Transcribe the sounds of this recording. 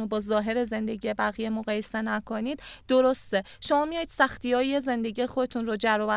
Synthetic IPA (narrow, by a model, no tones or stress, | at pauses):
obɒːzɒːɦe̞ɾe̞ze̞nd̪e̞ɟijebæɣije̞moɣɒːje̞se̞nækʰoniːd̪̥d̪oɾost̪e | ʃomɒːmijɒːjid̪̥sæxt̪ʰijɒːjeze̞nd̪eɟiːjexo̞d̪e̞t̪ʰunɾoːd͡ʒæɾɒːvæ